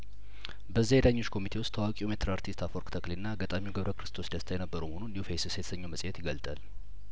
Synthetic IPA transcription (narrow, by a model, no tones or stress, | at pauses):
bəzːajed̪aɲːo̞t͡ʃːkʰo̞mit̪ʰe̞wʊst̪ʰːawakʼiumet̪ʰɨɾaɾt̪ʰist̪ʰafoɾkt̪ʰəklinːaːɡat̪ʼamiwɡəβɾəkʰɾɨst̪ʰosd̪əst̪ʰajɛnəbːəɾuməhonundiufejsset̪ʰə̥səɲːoməsʼjɛt̪jɪɡəlt̪ʼal